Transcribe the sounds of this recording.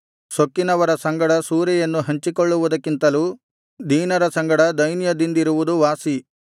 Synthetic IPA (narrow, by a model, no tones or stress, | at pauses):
sokːinɐʋɐɾɐsɐŋɡɐɽɐsuːɾɛjɐnːuɦɐɲt͡ʃikoɭːuʋud̪ɐkːint̪ɐluː | d̪ʱiːnɐɾɐsɐŋɡɐɽɐd̪ɐjnjɐd̪ind̪iɾuʋud̪uʋaːsi